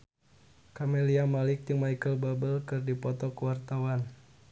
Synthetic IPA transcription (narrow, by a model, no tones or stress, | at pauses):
kameliamalɪk̚dəŋmaikəlbabəlkɨrdipɔt̪ɔkəwart̪awan